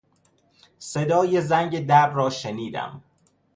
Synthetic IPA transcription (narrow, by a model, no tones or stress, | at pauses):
sed̪ɒːje̞zæŋɟed̪æɾbrɒːʃeniːd̪æ̰m